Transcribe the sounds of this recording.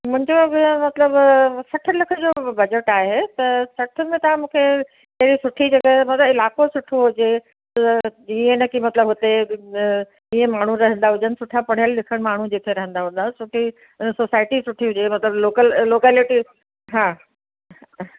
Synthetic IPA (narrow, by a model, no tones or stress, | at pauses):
mʊ̃ɦɪ̃ɲd͡ʑomɐt̪ləbsɐʈʰʊ̆lɐkʰə̆d͡ʑoːbɐd͡ʑəʈaːɦet̪ɐsɐʈʰʊ̆mẽt̪ɐʋ̤ãmũːkʰe | k̪ɐɦɪɽisʊʈʰid͡ʑɐɡəɦmɐt̪ləbɪlaːkosʊʈʰoɦʊd͡ʑe | ienəkʰimɐt̪ləbɦʊt̪e | iẽmaːɳ̤uɾɐɦə̃nd̪aɦʊd͡ʑənɪ̆sʊʈʰapɐɽ̤ajəllɪkʰəɽ̃maːɳ̤ud͡ʑeːt̪ʰeɾɐɦə̃nd̪aɦũnd̪asʊʈʰi | soːsaːɪʈisʊʈʰiɦʊd͡ʑemɐt̪ləbloːkəlloːkɛːlɪʈi | ɦãː